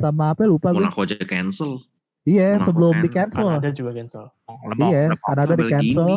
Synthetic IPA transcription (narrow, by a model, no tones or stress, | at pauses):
samaːpɛlupaɡʊkod͡ʒakɛnsəl | ijasəbəlʊmdikɛnsəldd͡ʒuɡkɛnsəl | ijakanadadikɛnsəl